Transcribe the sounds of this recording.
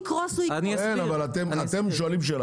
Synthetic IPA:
kʁɔsuiniksenavalat̪emat̪emʃ̬oalimʃ̬ela

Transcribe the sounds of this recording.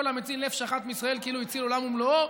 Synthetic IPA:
olamet͡sinlefʃaχat̪meisʁaelkiiluit͡silolamumlo

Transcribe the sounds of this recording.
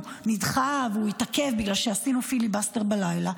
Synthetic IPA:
nidχavuitake̞vbiɡlalʃeasinufilibasteʁbalajla

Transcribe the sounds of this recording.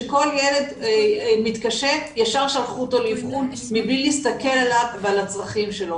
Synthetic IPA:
ko̞ljele̞d̪mit̪kaʃetjaʃaʁʃalχut̪olivχun | miblilist̪ake̞lalavvealat͡sʁaχimʃelo̞

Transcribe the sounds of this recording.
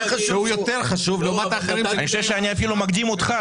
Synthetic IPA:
ʃeujot̪eʁχaʃuvloomat̪aːχeɾimaniʃevʃeaniafilumaɡ̚d̪imot̪χa

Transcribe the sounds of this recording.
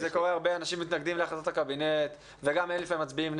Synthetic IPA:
zeko̞ʁeaʁbeanaʃimːit̪naɡd̪imleaχasot̪akabinet̪ | veɡamenlifaimːat͡sbiimn

